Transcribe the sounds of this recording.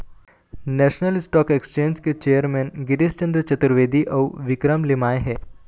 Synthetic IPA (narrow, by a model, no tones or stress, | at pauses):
nɛːʃnəlɪsʈɔːkekst͡ʃẽːɲd͡ʒket͡ʃeːəɾmɛ̃ːnɡɪɾɪst͡ʃə̃nd̪ɾət͡ʃɐt̪ɾʋeːd̪iʔɔːʋɪkɾəmlɪmaːeɦɛː